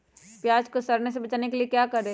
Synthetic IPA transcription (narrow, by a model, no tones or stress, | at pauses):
pjaːd͡ʒkosɐɾnes̬ebɐt͡ʃaːnekeliekjaːkɐɾẽː